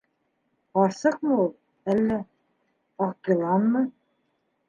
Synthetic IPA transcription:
ɑɾsɤq̚mɤulˠ | ælːæ | ɑqk̪ɤ̆lˠɑnmɤ

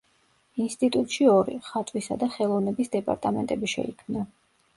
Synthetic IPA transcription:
inst̪ʼit̪ʼut̪ʼʃiɔɾḭχat̪ʼwisa̰d̪aχɛlˠɔvnɛbisd̪ɛpʼa̰ɾt̪ʼamɛ̰nt̪ʼɛbiʃɛ̰ikʰmna

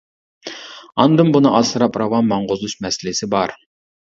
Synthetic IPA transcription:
ɑnd̪ɨmbunɨʔɑsɨɾɑpɾɑwɑnmɑɴʁozuʃmɛsɪlɪsɪbɑɾ

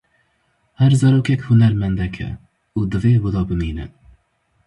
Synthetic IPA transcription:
hæɾzæɾowkʰʲɛkʲhunæɾmænd̪ɛkʰʲɛ̰ | ud̪ɨvewʊd̪ɑbɨmiːnɨ̰

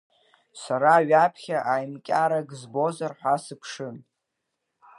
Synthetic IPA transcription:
saɾaːɥapʰχʲaʔajmkʲʼaɾaɡzbo̞zarħʷasɨpʰʂɨn

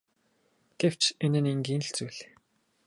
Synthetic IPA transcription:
ɡ̥ew̥t͡ɕenɘ̆niŋɡiːn̆ɬt͡suːɮe

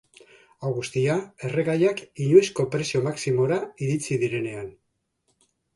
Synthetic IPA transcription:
awɣust̪iae̞re̞ɣajakiɲuisko̞pɾe̞sio̞maksimo̞ɾaiɾit͡siðiɾe̞ne̞an

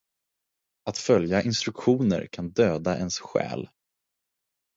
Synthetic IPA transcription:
at̪fœljaʔɪnst̪ɾɵkɧuːnə̰ɾkʰand̪øːd̪aʔɛnsɧɛ̰ːl

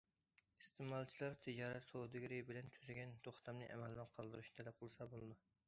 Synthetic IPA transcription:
ist̪emɑlˠt͡ʃʰilˠɑɾt̪ʰid͡ʒɑɾɛt̪sod̪ɨɡʲɾɪbɪlɛnt̪ʰyzɪɡʲɛnt̪ʰoχt̪ʰɑmnɨʔɛ̰mɛld̪ɛnqʰɑlˠd̪ɨɾuʃnɪt̪ʰɛlɛp̚qʰəlˠɨsɑbolˠɨd̪u

